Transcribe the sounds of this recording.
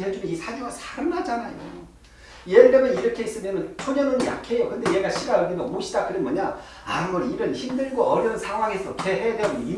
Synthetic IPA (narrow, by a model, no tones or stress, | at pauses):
ed͡ʑumeisʰaɡiɡasʰaɾɯnad͡ʑanajo̰ | jeɾɯɭdemjʌniɾʌkʰe̞is͈ɯɭmjʌnɯnt͡ɕʰoɲʌnɯnja̰kʰe̞jokɯnde̞je̞ɡaɕʰiɡaɯɭdemʌmoɕʰidakɯɾenmʌɲa | aɯɡʌɾiɾɯnçimdɯɭɡoʌɾjʌnɯnsʰaŋɦwaŋɦe̞sʰʌt͡ɕeɦejadweɡoi